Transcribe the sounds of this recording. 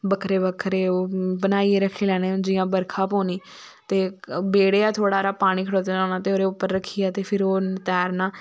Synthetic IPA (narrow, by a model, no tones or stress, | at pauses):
bəkʰɾeːbəkʰɾeːoːbənaːiːeɾəkʰːeːlɛːñẽːd͡ʒɪjãːbəɾkʰaːpõːniː | t̪eːbeːɽeːaːt̪ʰoːɽaːɾaːpaːɽ̃iːkʰəɽoːt̪eːnoːnãːt̪eːoːɾeːʊpːəɾːəkʰːiːaːt̪eːpʰɪɾoːt̪ɛːɾnãː